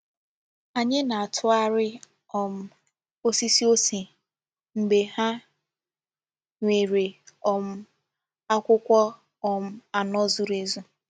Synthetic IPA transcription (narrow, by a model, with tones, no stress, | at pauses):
a˨ɲɪ˦na˨a˨tʰʊ˦a˦ɾɪ˦ | ɔ˨m̩˦ | o˦si˦si˦o˦si˨ | ŋ͡m̩˨ɡ͡be˨ha˦ | ŋʷe˨ɾe˨ɔ˨m̩˦ | a˦kʷʊ˦kʷɔ˦ | ɔ˨m̩˦a˨nɔ˦zu˦ɾe˦zu˦